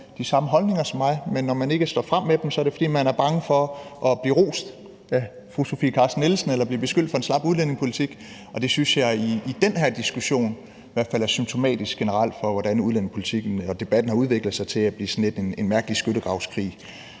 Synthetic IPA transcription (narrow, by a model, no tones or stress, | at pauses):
d̥isɑ̈məɦɒ̽lne̝ŋɐsɒ̽mːɑ̈ɪmenːɒmæne̝ɡ̥əsd̥ɒ̰ːfʁɑm̰ːed̥emsɒ̽ɐɾe̝fɒ̽d̥ḭːmænæɐb̥ɑ̈ŋəfɒ̽ʔɒ̽b̥liːʁo̰ːsd̥ | æ | fʁuso̝fḭːkʰɑ̈ːsd̥nelsn̩elɐb̥liɐb̥e̝sɡ̥ø̰l̰d̥fɒ̽e̝nslɑ̈b̥uð̞ˠlen̰e̝ŋspʰo̝lit͡sʰiɡ̥ | ɒ̽d̥e̝synsjɑ̈ɪiːd̥enheɐ̰d̥isɡ̥uɕo̝̰ːn | iʋæɐ̰d̥fælæɐsym̚t͡sʰo̝mɛ̰ːd̥isɡ̥enəʁɑ̈l̰d̥fɒ̽ʋɒdænuðˠlen̰e̝ŋpʰo̝lit͡sʰiɡ̥n̩ɒd̥e̝b̥æd̥n̩hɑ̈uð̞ˠʋe̝ɡ̥lð̩ˠsɑ̈ɪt͡sʰe̝æb̥lḭːsɔnle̝d̥ene̝nmæɐɡ̥əlisɡ̥øɾəɡ̥ʁɑ̈ʊskʰʁḭː